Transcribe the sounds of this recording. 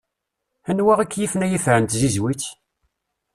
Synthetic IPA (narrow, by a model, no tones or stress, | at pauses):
ænwæʁækːjiθnæjifɾənt̪zizwiθ